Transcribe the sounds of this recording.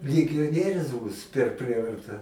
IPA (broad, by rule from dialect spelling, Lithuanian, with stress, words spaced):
lʲɪɡʲoːˈnʲiɛrʲʊs ˈbuːs pʲɛr ˈpʲrʲiɛʋɐrtɐ